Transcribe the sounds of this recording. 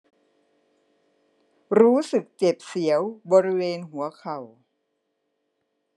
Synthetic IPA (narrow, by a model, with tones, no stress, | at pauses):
ɾuː˦˥sɯ˨˩k̚t͡ɕe˨˩p̚si˩˦əwbɔː˧ɾi˦˥weː˧nɦu˨˩˦ɐkʰa˨˩w